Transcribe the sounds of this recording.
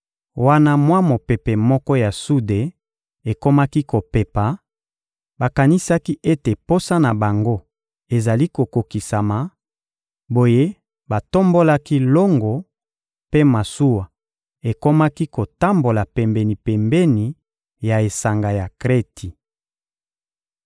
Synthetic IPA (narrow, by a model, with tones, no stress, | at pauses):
wa˦na˦mwa˦mo˨pe˨pe˨mɔ˦kɔ˦ja˨su˦de˨ | e˨ko˦ma˦ki˦ko˨pe˨pa˨ | ba˨ka˨ni˦sa˦ki˦ʔe˦te˨po˦sa˦na˨ba˨ŋɡo˦ | e˨za˨li˦ko˨ko˨ki˨sa˨ma˨ | bo˨je˦ | ba˨to˦mbo˦la˦ki˦lo˦ŋɡɔ˨ | pe˦ma˨su˦wa˨ | e˨ko˦ma˦ki˦ko˨ta˦mbo˨la˨pɛ˨mbɛ˨ni˨pɛ˨mbe˦ni˨ | ja˨e˨sa˨ŋɡa˨ja˨kʁe˦tʰi˨